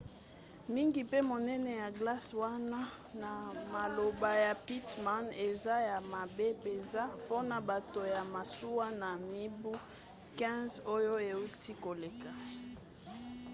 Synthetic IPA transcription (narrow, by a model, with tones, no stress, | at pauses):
mi˦ŋɡi˨pe˦mo˨nɛ˦nɛ˨ja˨ɡla˦swa˦na˦ | na˨ma˨lo˨ba˨ja˨pi˦tma˦ne˨za˦ja˨ma˨be˦pe˨nza˦po˦na˨ba˨to˨ja˨ma˨su˦wa˦na˨mi˦bu˦ | kɛ̃˦zo˦jo˦e˨u˦ti˦ko˨le˨ka˨